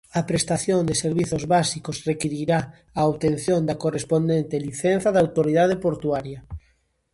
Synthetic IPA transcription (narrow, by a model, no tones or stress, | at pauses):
ɐpɾest̪aθjond̪ɪseɾβiθozβasikosrekiɾiɾa | aoβt̪ẽnθjõnd̪akorespond̪ent̪eliθen̟θaðawt̪oɾiðað̞epoɾt̪uaɾjɐ